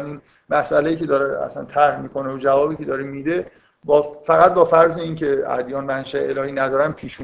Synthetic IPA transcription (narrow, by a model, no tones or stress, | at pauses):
nun | mæsʔælejiːcʰe̞d̪ɒːɾeæ̰sæ̰nt̪ʰæɾhmiːkʰo̞neod͡ʒævɒːbiːkʲcʰe̞d̪ɒːɾimiːd̪e | bɒfæɣæt̪̚bɒːfæɾzeiːncʰe̞æ̰d̪jɒːnmænʃæelɒːhiːnæd̪ɒːɾænpʰiːʃu